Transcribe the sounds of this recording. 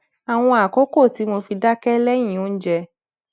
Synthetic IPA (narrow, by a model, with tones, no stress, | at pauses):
a˨w̃ɔ̃˧a˨ko˦ko˦˨ti˨˦mo˧fi˧da˦kɛ˦lɛ˦j̃ĩ˨o˨˦n̩˦d͡ʒɛ˧